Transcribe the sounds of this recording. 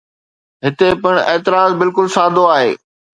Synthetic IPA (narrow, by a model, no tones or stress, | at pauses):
ɦɪt̪epɪɽ̃eːt̪ɪɾaːzbɪlkʊlsaːd̪ʱoaːɦḛː